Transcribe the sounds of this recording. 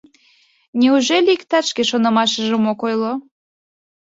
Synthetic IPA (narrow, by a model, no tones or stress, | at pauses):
nʲeuʒelʲiikt̪ɑt͡ʃkeʃonəmɑʃəʒəmokojlo